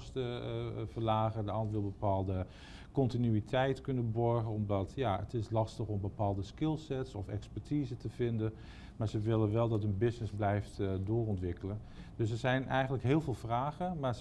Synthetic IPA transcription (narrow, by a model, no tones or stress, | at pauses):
stəvəɹlaːχədəɑndəʋɪlˠbəpaːlˠdə | kɔntinyitʰɛjtkɵnənbɔɹχənɔmdɑtjaə̰tɪslɑstəχɔmbəpaːlˠdəskɪlˠsɛtsɔfɛ̰kspɛɹtʰiːzətəvɪndən | maːɹzəʋɪlənʋɛlˠdɑtɦənbɪsnɪzblɛjftdʊːrɔntʋɪkələn | dɵs̬ɛɹzɛjnʔɛjχəntləkɦɪːlˠvɪːlˠvraːχəmaːɹ